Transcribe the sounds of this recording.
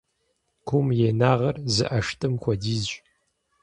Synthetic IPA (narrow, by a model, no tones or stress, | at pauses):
kʷʰumjeːnaːʁɐrzɨ̰ʔɐʂtʰɨmkʷɔdiːz